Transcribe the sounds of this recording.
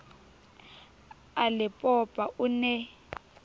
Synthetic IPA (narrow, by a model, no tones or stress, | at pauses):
alɪpʼɔpʼaʔʊnɛ